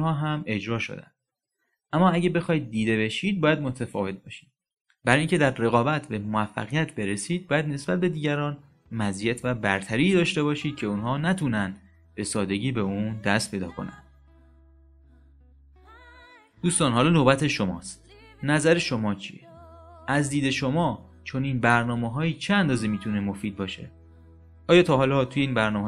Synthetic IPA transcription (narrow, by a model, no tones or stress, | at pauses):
hɒːɦæme̞d͡ʒɾɒːʃo̞̰d̪æ̰nd̥̪ | ʔæmːɒːæɟæbe̞xɒːjid̪̚ːiːd̪e̞be̞ʃiːd̪̚bɒːjæd̪mo̞t̪ʰæfɒ̰ːve̞t̪̚bɒːʃi̥ːd̥̪ | bæɾːjiːŋcʰe̞d̪æɾːe̞ɣɒːbæt̪ʰbe̞moæfːæ̰ɣijæt̪ʰbe̞ɾesiːd̪̚bːjæd̪ne̞sb̥æt̪̚be̞d̪iːɟæɾɒːn | mæzijæt̪ʰvæbæɾt̪ʰæɾiːd̪ɒːʃt̪e̞bɒːʃiːd̪̚cʰe̞unɦɒːnæt̪ʰunænd̪ | b̥e̞sɒːd̪e̞ɟiːbe̞und̪æst̪pʰe̞jd̪ɒ̰ːkʰo̞̰næ̰nd̪̥ | d̪̥uːst̪ɒːnɦɒːlɒːnobæt̪ʰe̞ʃo̞mɒ̰ːst̪ | næzæɾe̞ʃo̞mɒːt͡ʃʰḭeʔæzd̪iːd̪e̞ʃo̞mɒː | t͡ʃʰo̞niːnbæɾnɒːmeɦɒːjiːt͡ʃʰeænd̪ɒːzemiːt̪ʰune̞mo̞fiːd̪̚bɒːʃe̞̰ | ʔɒːjɒːt̪ʰɒːɦɒːlɒt̪ʰuje̞iːnbæɾnɒːme